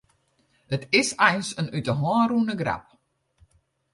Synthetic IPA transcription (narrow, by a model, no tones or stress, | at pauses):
ətɪsɛjnsənytəɦwɔruənəɡra̰p̚